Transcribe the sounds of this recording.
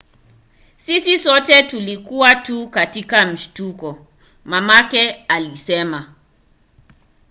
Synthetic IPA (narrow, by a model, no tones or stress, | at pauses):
sisisɔtɛtulikuwatukatikam̩ʃtukɔ | mamakɛalisɛma